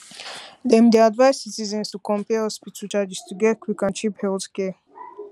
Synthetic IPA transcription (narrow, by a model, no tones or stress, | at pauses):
d̪ɛmd̪ɛad̪vasit͡sʼizɛnsukʼɔmpʼiɛɔspit͡sʰut͡ʃʰʼad͡ʒist̪ʰuɡɛkʰwikʼant͡ʃʰipʰɛut̪kʼɛ